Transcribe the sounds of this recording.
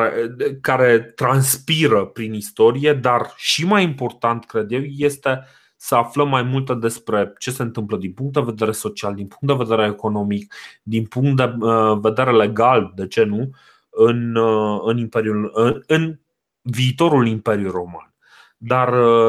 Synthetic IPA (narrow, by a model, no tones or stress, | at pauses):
ekaɾe̞t̪ɾanspiɾəpɾinist̪o̞ɾije̞d̪arʃimajimpo̞rt̪ant̪kɾe̞d̪je̞wje̞st̪e̞ | səafləmːajmult̪ed̪e̞spɾe̞t͡ʃe̞se̞ɨnt̪ɨmpləd̪inpuŋkt̪d̪e̞ve̞d̪e̞ɾe̞so̞t͡ʃiald̪inpuŋkt̪d̪e̞ve̞d̪eɾeːko̞no̞mik̚d̪inpuŋk̚t̪̚d̪eve̞d̪e̞ɾe̞le̞ɡald̪e̞t͡ʃe̞nu | ɨnɨnimpe̞ɾjulɨn | viːt̪o̞ɾulimpe̞ɾjuro̞ma̰n | d̪ar